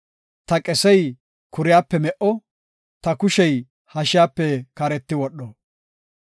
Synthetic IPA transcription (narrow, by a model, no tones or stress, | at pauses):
t̪ɐkʼɛsɛj | kʰʊɾɪjaːpːɛmɛʔɔ | t̪ɐkʊʃɛj | hɐʃɪjaːpːɛkɐɾɛt̪ːɪwɔɗːɔ